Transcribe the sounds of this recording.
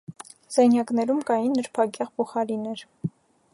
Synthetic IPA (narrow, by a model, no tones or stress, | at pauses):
z̥ɑjnjɑknɛɾumkɑjinːəɾpʰɑkjɑʁpʰuχɑɾinɛɾ